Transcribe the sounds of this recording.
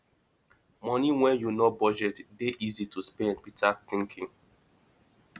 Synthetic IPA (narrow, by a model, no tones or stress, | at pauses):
mɔniwɛ̃njunobɔd͡ʒɛtdeʔizitʰuspɛ̃npitaθɪ̃ŋkʰɪ̃ŋ